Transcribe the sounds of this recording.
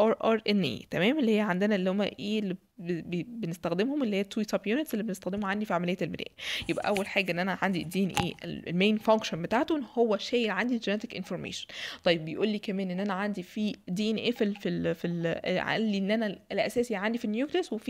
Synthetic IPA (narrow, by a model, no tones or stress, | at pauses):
ʔɑɾʔɑɾˤʔenʔḛːt̪æmæːmʔelːihejːæʕand̪enælːihomːæ̰ʔeːlːi | bbenest̪æxd̪emhomʔelːihejːæt̪ːwit̪ɑbjuːnet̪sʔelːibenest̪æxd̪emhuʕand̪ifiʕamælejːæelbenæ̰ːʔjebʔæ̰ʔæwːælħaːɡæʔenːʔænæʕand̪id̪iːʔenʔḛːʔḛl̰lmeːjnfæŋkʃonbet̪aːʕt̪onhowːæʃæːjelʕand̪id͡ʒenet̪ekʔenfoɾˤmḛːʃo̥nt̪ˤɑjːebːejʔuːlːiːkæmæːnʔenːʔænæʕand̪ifiːd̪iːʔenʔeːfilfilfilʕa̰lːienːʔænæelʔæsæːsiʕand̪ifinjuːklijæswefi